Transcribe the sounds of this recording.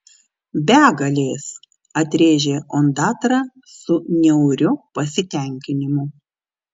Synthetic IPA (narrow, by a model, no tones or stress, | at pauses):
bʲæːɡɐlʲeːs | ɐt̪ʲɾʲeːʒʲeːʔɔnd̪ɑːt̪ɾɑ | sʊnʲɛʊɾʲʊpɐsʲɪt̪ʲɛˑŋʲkʲɪnʲɪmʊ